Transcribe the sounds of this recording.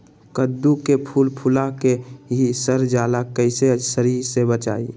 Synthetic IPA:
kəd̪ːukepʰuːlpʰʊlakeɦisəɾd͡ʒaːlakəɪsesəɾiɾsebət͡ʃa̰ːḭ

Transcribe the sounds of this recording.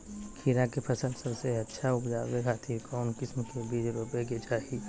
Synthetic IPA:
kʰiːɾakepʰɐsəlsəɾseɐtːʃʰaʊpd͡ʒaːbekaːt̪ʰikɔːnkɪsmkebiːd͡ʒɾopeket͡ʃaːɦi

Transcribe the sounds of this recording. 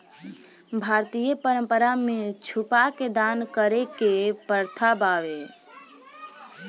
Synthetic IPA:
bʱaːɾt̪ijəpəɾə̃mpəɾamet͡ʃʰupaked̪ankəɾekepəɾt̪ʰabaːʋe

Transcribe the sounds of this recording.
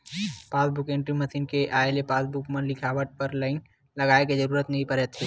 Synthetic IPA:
paːsbʊkẽːɳʈɾiməsiːnkeʔaːelepaːsbukmənlɪkʰaːʋəʈ̚pəɾləɪn | lɐɡaːeked͡ʒəɾuːɾət̪nɐɦĩpəɾet̪ʰe

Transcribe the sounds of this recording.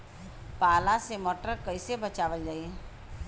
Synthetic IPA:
paːlãsemɔːʈəɾkɐisebɐt͡ʃaːʋəld͡ʒaːie

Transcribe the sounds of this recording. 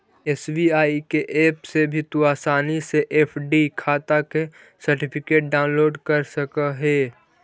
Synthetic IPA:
esbiaːikeʔeːpsebʱit̪uaːsaːniseʔeːpʰɖikʰaːt̪ake | sɐɾʈɪpʰɪkeːʈ̚ɖaːʊ̃nloːɖkɐɾsɐkaɦɛː

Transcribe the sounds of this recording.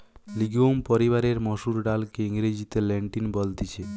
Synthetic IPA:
liɡompoɾiβaɾeɾmɔʃuɾɖalkeiŋɾed͡ʑit̪eleɳʈinbolt̪it͡ɕʰe

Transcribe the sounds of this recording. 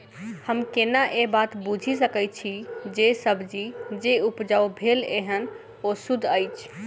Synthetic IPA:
həmkenaʔebat̪bud͡ʒʱis̬əkət͡ʃʰid͡ʒesəbʱd͡ʒid͡ʒeupd͡ʒawbʱeleɦən | osud̪ʱəjt͡ʃʰ

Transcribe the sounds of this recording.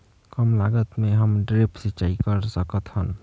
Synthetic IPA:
kəmlaɡət̪meɦəmɖɾepʰsit͡ʃaikəɾsəkət̪hən

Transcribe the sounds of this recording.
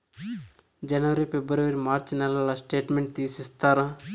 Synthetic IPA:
d͡ʒɐnʋəɾipebəɾeʋəɾimaːɾt͡ʃnɐlalasʈeːʈmeɳʈ̚t̪iːsist̪ʰaɾã

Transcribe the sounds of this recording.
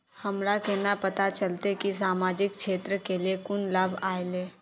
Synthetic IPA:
hɐmɾakenapɐt̪at͡ʃəlt̪ekis̬aːmaːd͡ʒɪkʃʰeːt̪ɾəkeliekʊnlaːbʱaːeleː

